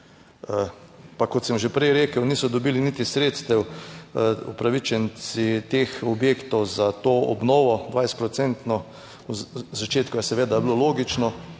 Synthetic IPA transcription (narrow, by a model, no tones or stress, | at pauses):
pakɔt̪sɛmʒepɾɛjɾeːkəwniːsɔd̪ɔbilinit̪isɾeːt̪st̪ɛw | ṵpɾaʋit͡ʃɛnsit̪exɔbjeːkt̪ɔwzat̪oːɔ̰bnoːʋɔd̪ʋajst̪pɾɔt̪sɛnt̪nɔ | uzat͡ʃeːt̪kʊjɛsɛʋeːd̪abloloːɡit͡ʃnɔ